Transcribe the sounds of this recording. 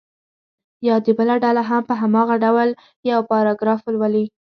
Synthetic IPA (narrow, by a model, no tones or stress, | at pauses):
jɑd̪ibəlaɖalaɦampəɦamɑɣaɖawl | jawpɑɾɑɡɾɑflwali